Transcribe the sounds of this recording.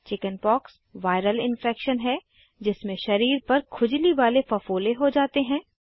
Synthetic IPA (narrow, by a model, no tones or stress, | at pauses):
t͡ʃɪkənpɔːks | ʋaːɪɾəlɪ̃nfɛːkʃənɦɛ | d͡ʒɪsmẽʃɐɾiːɾpɐɾkʰʊd͡ʒliʋaːlefɐfoːleɦod͡ʒaːt̪eɦɛ̃ː